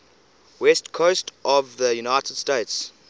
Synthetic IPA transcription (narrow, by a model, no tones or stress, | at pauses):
wɛstkʰoʊstʔɔvðəjunaɪtəd̥steɪts